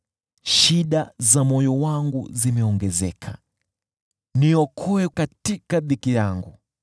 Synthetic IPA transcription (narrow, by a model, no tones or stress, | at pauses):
ʃiɗazamɔjɔwaŋɡṵzimɛɔŋɡɛzɛ̰kʰa | niɔkʰɔɛkatikaɓikijaŋɡu